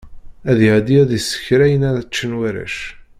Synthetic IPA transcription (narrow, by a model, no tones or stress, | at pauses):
æðɪʕd̪iæðisːə̥çɾæjənæɾæt͡ʃːənwæɾæ̰ʃ